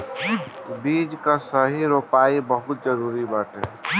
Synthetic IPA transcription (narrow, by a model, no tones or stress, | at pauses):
biːd͡ʒkasəɦiɾoːpaːibəɦʊt̪̚d͡ʒəɾuːɾibaːʈe